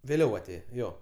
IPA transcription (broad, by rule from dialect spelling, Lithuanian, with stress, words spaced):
ʋʲeːˈlʲɛʊ ɐˈtʲeːjɛ ˈjoː